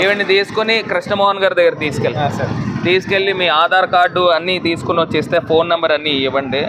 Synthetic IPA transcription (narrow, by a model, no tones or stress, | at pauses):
iʋɐnːit̪iːsu̥konikɾiʂnɐmɔːɦɐnɡaːɾd̪ɐɡːɐɾɐt̪iːsu̥kelːisɐɾt̪iːsu̥ke̞ɭːimiːaːd̪ʱaːɾɐkaːɾɖuɐnːit̪iːsu̥kunot͡ʃːeːst̪eːpʰoːnːɐmbɐɾɐnːiːʋɐɳɖi